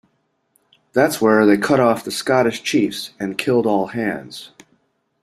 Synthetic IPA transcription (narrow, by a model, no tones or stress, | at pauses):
ðætswə˞ðeɪkʰʌɾɔfðɨskɑɾɨʃt͡ʃʰifsɨ̃nkʰɪlˠdɔlˠhæ̃ndz̥